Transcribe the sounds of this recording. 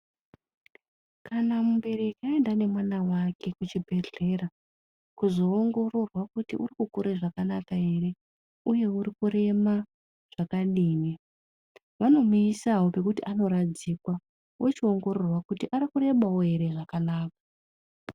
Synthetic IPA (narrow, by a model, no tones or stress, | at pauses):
kʰanamumbeɾekiaendane̞mwanawakʰe̞kut͡ʃibʱe̞ɮe̞ra | kuzo̞ːŋɡo̞ro̞rwakutḭʔurikukuɾeʐakanakaɦe̞re̞ | uje̞uɾikuɾe̞ma | ʐ̥akaɗiːni | ʋano̞muisaɦwope̞kutḭʔano̞ɾad͡zikwa | wʔot͡ʃio̞ŋɡo̞ɾo̞rwakutiʔaɾikure̞mawoɦe̞ɾe̞ʐakanaːka